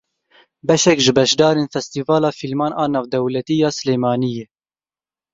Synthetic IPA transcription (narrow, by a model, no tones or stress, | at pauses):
bɛʃɛkʒɨbɛʃd̪ɑːɾeːnfɛst̪iːvɑːlɑːfilmɑːnʔɑːnɑːvd̪ɛwlɛt̪ijɑːsɨleːmɑːnijeː